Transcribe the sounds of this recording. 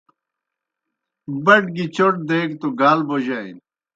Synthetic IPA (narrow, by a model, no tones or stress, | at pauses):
bɐʈɡit͡ɕoʈ̚d̪eːkt̪oɡaːlboʑaḭn